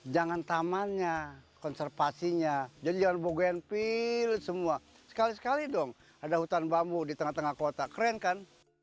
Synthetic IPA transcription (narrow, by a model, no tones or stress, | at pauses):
d͡ʒaŋant̪amanɲakɔnsɛrfasiɲad͡ʒadid͡ʒaŋanboɡaanpilsəmua | sə̥kalisə̥kalidɔŋ | adahut̪anbambudit̪əŋaht̪əŋahkot̪akəɾɛnkan